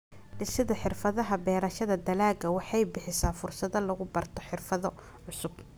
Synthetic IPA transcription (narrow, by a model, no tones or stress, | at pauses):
ɖɪsɪðɐħɪrfɐðɐɦɐbɛːɾɐʃɐðɐd̪ɐlaːɡɐwɑħɑjbɪħɪsaːfʊrsɐðɐlɐɣʊbɐrt̪ʰɔħɪrfɐðɔ | ʕʊsʊb̥̚